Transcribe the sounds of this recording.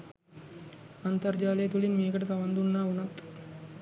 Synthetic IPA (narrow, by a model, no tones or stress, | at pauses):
ant̪ard͡ʒaːlejet̪ulinmejːkəʈət̪aʋand̪unːaːunat̪